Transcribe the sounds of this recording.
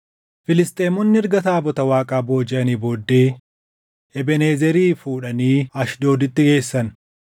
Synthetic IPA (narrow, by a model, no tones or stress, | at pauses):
fɪlɪst̪ʼe̞ːmɔnːɪɪɾɡɐt̪aːbɔt̪ɐwaːkʼaːbo̞ːd͡ʒɛʔɐniːboːd̪ːe̞ː | ɛbɛne̞ːzɛɾiːfuːᶑɐniːɐʃd̪o̞ːd̪ɪt̪ːɪɡe̞ːsːɐn